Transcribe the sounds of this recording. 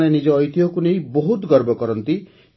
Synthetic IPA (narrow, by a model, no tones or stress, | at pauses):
ɽ̃enid͡ʒɔːjt̪iɦɔkunejbɔɦut̪ɡɔɾbɔkɔɾɔnt̪i